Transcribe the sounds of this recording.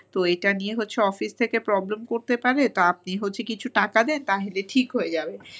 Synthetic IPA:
t̪oejʈanieɦotːɕʰeɔfist̪ʰekepɾɔblemkoɾt̪epaɾet̪oap̚niɦotːɕʰekit͡ɕʰuʈakad̪ɛnt̪aɦeleʈʰikɦojed͡ʑabe

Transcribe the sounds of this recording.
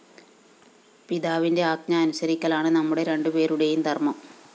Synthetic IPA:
piðaːʋinde̞aːɡ̚ɲɐːnusɐɾikʲːɐlaːɳɨnɐmːuɽe̞ɾe̞ɳɖɨpe̞ːɾuɽejumt̪ɐrmɐm

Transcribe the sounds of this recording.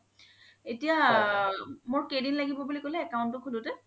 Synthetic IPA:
etija | mʊɹkejdinlaɡibɔbulikolɛːkawʊ̃ntʊkʰulʊtɛ

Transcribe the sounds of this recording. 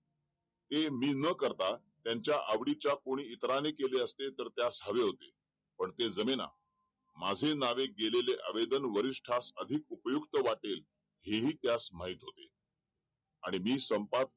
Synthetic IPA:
t̪emiːnəkəɾt̪a | t̪jãɲt͡ɕjaʔaʋɽit͡ɕjakoɽ̃iːt̪ɾanekeleəst̪et̪əɾt̪jasɦəʋeɦot̪e | pəɳt̪ed͡zəmena̰ | mad͡zʱenaʋeɡeleleʔə̰ʋed̪ənʋəɾiʂʈʰasəd̪ʱik̚upəjukt̪əʋaʈel | ɦeɦiːt̪jasmaɦiːt̪ɦot̪e | aɽ̃imiːsəmpat̪

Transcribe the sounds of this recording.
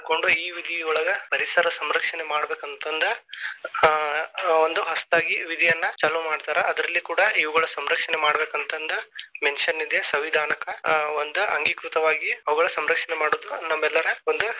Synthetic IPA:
koɳɖuiːʋid̪ʱijɔɭɐɡɐpɐɾisɐɾɐsɐmɾɐkʂɐnemaːɽbeːkɐnt̪ɐnd̪ɐ | ond̪uɦɐst̪aːɡiʋid̪ʱijɐnːɐt͡ʃaːlɐmaːɖt̪aːɾeɐd̪ɐɾɐlːikuːɽɐiʋuɡɐɭɐsɐmɾɐkʂɐnemaːɽbeːkɐnt̪ɐnd̪ɐmensɐnːid̪jesɐʋid̪ʱaːnɐkɐond̪uɐ̰ŋɡikɾut̪ɐʋaːɡiɐʋuɡɐɭɐsɐmɾɐkʂɐnemaːɽoːd̪unɐmːɛlːɐɾɐond̪u

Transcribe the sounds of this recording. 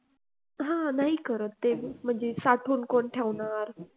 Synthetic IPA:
ɦãnaːɦikəɾət̪t̪ːem̤ə̃nd͡ʑesaʈʰuːnkonʈʰjaʋnaɾ

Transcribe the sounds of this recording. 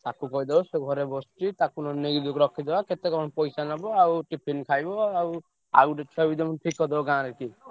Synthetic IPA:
t̪ãkukɔid̪ebɔseɡʱɔɾebɔsʈit̪akunɔneɡid̪ukɾɔkʰid̪ebaket̪ekɔɔnpɔjsanɔbɔauʈipʰinkʰajbɔau | a̰ɡuɖet͡ʃʰɔbid̪ɔmnʈʰikːɔd̪ebɔɡãɾɛki

